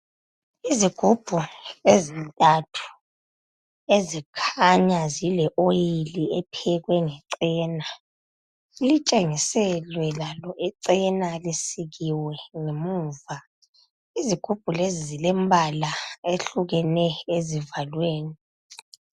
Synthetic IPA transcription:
iziɡ̥ʱub̥ʱuezintʼatʰu̥ | ezikʰaɲazilɛʔojiliɛpʰɛɣwɛŋɛǀɛːna | ilit͡ʃʼeŋisɛlwɛlalɔʔɛǀɛnalisiɣiwɛŋemuːva | iziɡ̥ʱub̥ʱulezizilɛmbʱalaeɬuɣɛnɛezivalweːni

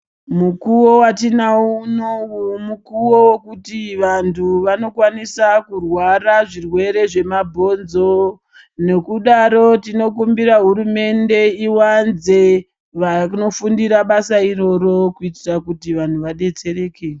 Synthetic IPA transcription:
mukuwo̞watinaunoumukuwo̞wokutiʋantʰuʋano̞kwanisakurwaraʐirwe̞ɾe̞ʐe̞mabʱo̞nzo̞ | ne̞kuɗaɾo̞tino̞k̬umbiɾaɦuɾume̞nde̞iwanze̞ | ʋano̞fundiɾaɓasaiɾo̞ɾo̞kuitirakutiʋan̤uʋaɗe̞t͡se̞re̞ːke

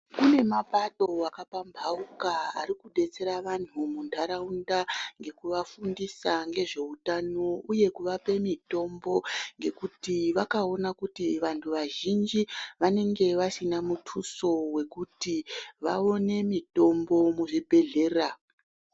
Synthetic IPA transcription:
kune̞mapaɗo̞akapambʱaukaa̰rikuɗe̞t͡se̞ɾaʋan̤umuntʰaɾaundaŋɡe̞kuʋafundisaŋɡe̞ʐe̞utano̞uje̞kuʋape̞mito̞mbo̞ŋɡe̞kutiʋakao̞nakutiʋantʰuʋaʒind͡ʒiʋane̞ŋɡe̞ʋasinamutʰuso̞we̞kutiʋa̰o̞ne̞mito̞mbo̞muʐibʱe̞ɮe̞ːra

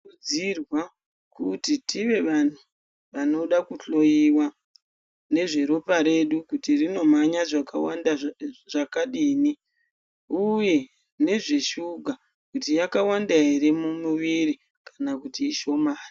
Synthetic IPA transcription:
d͡zirwa | kutitʰiʋe̞ʋan̤u | ʋano̞ɗakuɬo̞jiwa | ne̞ʐe̞ɾo̞paɾe̞ɗukutirino̞maɲaʐakwaaʐakaɗiːni | uje̞ | ne̞ʐe̞ʃuɡʱa | kutijakawandaɦiɾe̞mumuʋiɾi | kḁnakutiːʃo̞maːri

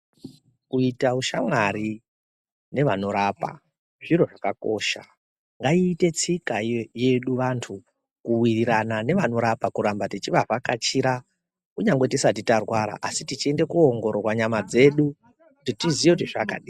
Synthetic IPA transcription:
kuitauʃamwaɾi | ne̞ʋano̞ɾapa̰ | ʐiɾo̞ʐakako̞ːʃa̰ | ŋɡaiːte̞t͡sikaje̞ɗuʋantʰu | kuwiriɾanane̞ʋano̞ɾapakuɾambatit͡ʃiʋavakat͡ʃiɾa | kuɲaŋɡwe̞tisat̬itarwaɾa̰ʔasitit͡ʃie̞nde̞kuoŋɡo̞ɾokwaɲamad͡ze̞ɗu | kutitizijekutiʐaka̰ɗiː

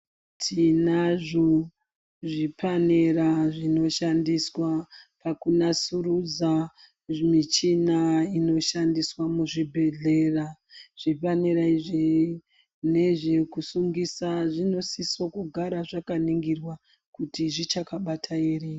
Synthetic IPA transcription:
tʰinaʐo | ʐipaneraʐino̞ʃandiswapakunasurud͡za | mit͡ʃinaino̞ʃandiswamuʐibʱe̞ɮe̞raʐ̥ifaneɾaiʐi | ne̞ʐekusuŋɡisaʐino̞sisokuɡʱaɾaʐakaniŋɡirwa | kutiʐit͡ʃakaɓatʰaere

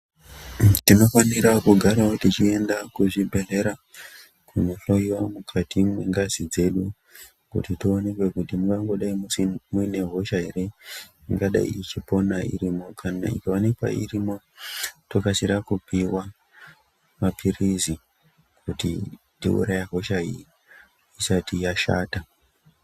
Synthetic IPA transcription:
tino̞faniɾakuɡʱaɾaotit͡ʃie̞ndakuʐibʱe̞ɮe̞ɾa | kʰunoɬoiomukʰatimwiŋɡazid͡ze̞ɗu | kṵtitione̞kwe̞kutimuŋɡaŋɡo̞ɗaimusmuine̞ɦo̞ʃaɦe̞ɾe̞ | iŋɡaɗa̰ḭːt͡ʃipo̞naḭɾimo̞kʰanaḭkawanekwa̰ḭrimo̞ | tokasiɾakupʰiwa | mapʰirizi | kʰutḭ | tḭṵɾajaɦo̞ʃaii | isatijaʃa̰ːta

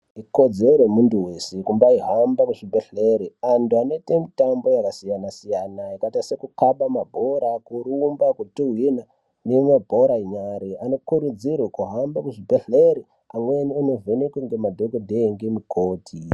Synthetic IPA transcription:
iko̞d͡zeɾemunduwe̞sekumbaiɦambakuʐibʱeɬeɾiantuano̞itemitambo̞jakasijanasijanaikatasekukaɓamabʱo̞ɾakuɾuːmbakutuwina | nemabʱo̞ɾaiɲaɾeano̞kuɾud͡zirwekuɦambakuʐibʱeɬeɾi | amwenianovenekweŋɡemadʱokodʱeŋɡemikʰoːtʰi

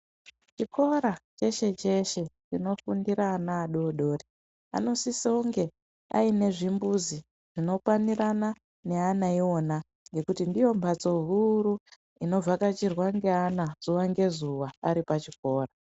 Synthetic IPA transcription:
t͡ʃikʰo̞ɾat͡ʃe̞ʃe̞t͡ʃe̞ʃe̞t͡ʃino̞fundiɾanaːɗo̞ːɗo̞ːri | a̰no̞siseuŋɡe̞ | a̰ine̞ʐimbuzi | ʐ̥ino̞kwanirana | ne̞anaio̞na | ŋɡe̞kutindijo̞mbʱat͡so̞ɦuɾu | ino̞b͡vakat͡ʃirwaŋɡe̞anaz̥uʋaŋɡe̞zuwaːɾipat͡ʃiko̞ːra

